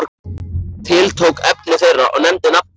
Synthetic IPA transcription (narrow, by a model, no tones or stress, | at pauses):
ɾkt̪ʰɪlt̪ʰowkɛpnɪθejrːaʔɔ̰ɣnɛmt̪ɪnap